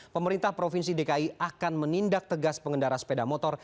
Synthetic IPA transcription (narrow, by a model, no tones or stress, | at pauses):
pəməɾint̪ahpɾofinsidekaiakanmənindak̚t̪əɡaspəŋɡəndaɾaspedamɔt̪ɔr